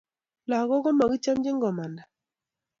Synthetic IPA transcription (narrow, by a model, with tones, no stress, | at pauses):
la˨ɣɔ˦ɡɔ˦mɔ˨ɡi˦t͡ʃa˦md͡ʒɪ˦ŋɡɔ˨ma˨nda˨